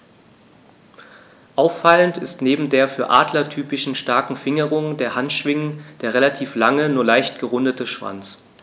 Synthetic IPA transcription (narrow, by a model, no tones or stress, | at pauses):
ʔaʊfːaləntɪstneːbm̩deːɐfyːɐʔa̰ːdlɐtʰyːpɪʃn̩ʃtaɐkŋ̩fɪŋəʁ̞ʊŋdeːɐhantʃv̥ɪŋənd̥eːɐʁelatʰiːflaŋənuːɐlaɪçtɡ̥əʁʊndətəʃv̥a̰nt͡s